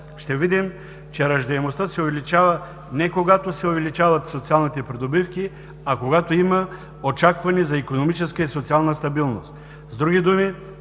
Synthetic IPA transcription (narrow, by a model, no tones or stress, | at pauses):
ʃt̪ɛvid̪im | t͡ʃɛɾɐʒd̪ɛɛmost̪əsɛovɛlit͡ʃavɐ | nɛkoɡat̪osɛovɛlit͡ʃavɐt̪sot̪sialˠnit̪ɛpɾɛd̪obifki | akoɡat̪oimɐ | ot͡ʃakvɐnizɐikonomit͡ʃɛskəisot̪sialˠnəst̪ɐbilˠnost̪ | zd̪ɾuɡʲid̪umi